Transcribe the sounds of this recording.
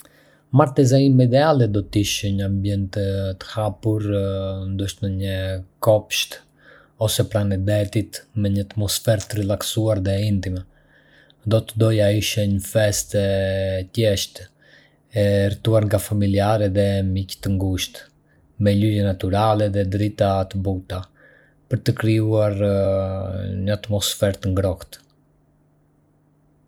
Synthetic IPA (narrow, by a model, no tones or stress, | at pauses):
maɾt̪ɛzaimɛd̪ɛalɛd̪ɔt̪iʃɛɲəambjɛnt̪t̪ːə̥hapuɾnd̪ɔʃt̪məɲəkɔpʃt̪ | ɔsɛpɾanɛd̪ɛt̪it̪mɛɲəat̪mɔsfɛɾt̪ɾilˠaksuaɾðɛint̪imɛ | d̪ɔt̪əd̪ɔjaiʃɛɲəfɛst̪ɛt̪jɛʃt̪ | ɛrt̪uaɾŋɡafamiliaɾɛðɛmict̪əŋɡuʃt̪ | mɛlyjɛnat̪uɾalɛðɛd̪ɾit̪at̪əbut̪a | pəɾt̪əkɾiuaɾ | ɲəat̪mɔsfɛɾt̪əŋɡɾɔkt̪